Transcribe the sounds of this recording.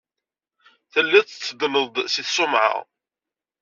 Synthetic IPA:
θəlːæt͡st͡sːəd̪nəðd̪ˤsiθsˤʊmʕa̰ʁ

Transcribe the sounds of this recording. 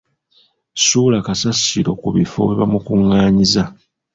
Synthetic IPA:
suːlakasasiɾo̞kuβifo̞̰weβamukuŋːaːɲiza

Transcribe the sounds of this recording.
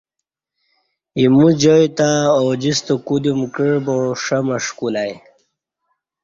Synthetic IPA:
imud͡ʑojt̪aod͡ʑist̪okud̪imkəɻboʂamaʂkulaj

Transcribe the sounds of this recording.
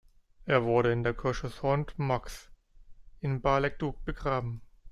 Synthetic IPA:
ʔeːɐvʊɐɾəɪndeːɐkʰɔʃəshɔntmaks | ʔɪnbaːlɛk̚d̥uːk̚b̥əɡʁaːbm̩

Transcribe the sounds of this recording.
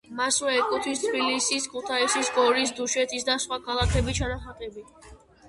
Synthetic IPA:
maswɛːkʼut̪ʰwist̪ʰbilisiskʰut̪ʰaisisɡɔɾis̬d̪uʃɛt̪ʰisd̪asχwakʰalˠakʰɛbit͡ʃʰanaχat̪ʼɛbi

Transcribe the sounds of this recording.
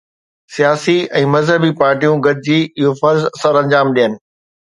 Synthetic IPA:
sijaːsiɛ̃ːmɐzɦəbipaːɾʈijũɡʱɐd̪ɪd͡ʑiːɪɦofɐɾzsɐɾɐ̃ɲd͡ʑaːmɗijənɪ̆

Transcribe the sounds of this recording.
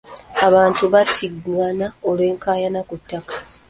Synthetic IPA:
aβaːntuβatʰiɡanaole̞ːŋkaːjanakutːakḁ

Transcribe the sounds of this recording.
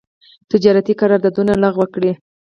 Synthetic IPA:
t̪ɪd͡ʒɑɾat̪ikaɾɑɾd̪ad̪unalaɣwəkɽi

